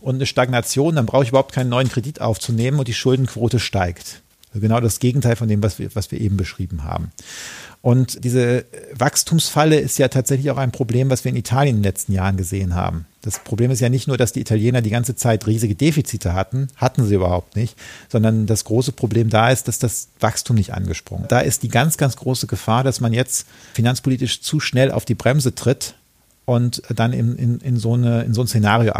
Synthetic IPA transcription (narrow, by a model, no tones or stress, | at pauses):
ʔʊntnəʃtaɡnat͡sjoːndanbʁaʊxəɪçybɐahʊp̚t̚kʰaɪnənːɔʏənkʁ̥ediːtʔa̰ʊft͡suneːmənʊntd̥iːʃʊldn̩kʰv̥oːtəʃtaɪkt | zɡənaʊdasɡ̥eːɡŋ̩tʰaɪlfɔndeːmvasvḭɐvasv̥iːɐʔeːbm̩bəʃʁ̥iːbm̩ha̰ːbm̩ʔʊntd̥iːzəvakstʰuːmsfaləɪstjaːtʰaːtz̥ɛçlɪçaʊxaɪnpʁ̥obleːmvasviːɐɪnitʰaːljəndenlɛt͡stn̩jaːʁənɡəzeːənɦa̰ːbm̩d̥aspʁ̥obleːmɪstjaːnɪçtnuːɐdasd̥iːiːtʰaljeːnɐdiːɡant͡sət͡saɪtʁiːzɪɡədeːfit͡siːtʰəhatn̩hatn̩ziːʔyːbɐ̰haʊp̚tnɪçtz̥ɔndɐndasɡ̥ʁoːsəpʁ̥obleːmdaːɪst̚d̥asd̥asv̥akstʰuːmnɪçtʔa̰nɡəʃpʁ̥ʊ̰ŋəd̥aːʔɪ̰st̚d̥iːɡant͡sɡ̥ant͡sɡ̥ʁoːsəɡəfaːɐdasmanjɛt͡st | finant͡spʰoliːtɪʃt͡suːʃnɛlʔa̰ʊfd̥iːbʁɛmzətʁ̥ɪt | ʔʊntd̥anɪ̰nɪ̰nɪnzoːnəɪnzoːnsenaːʁijo̰ʔ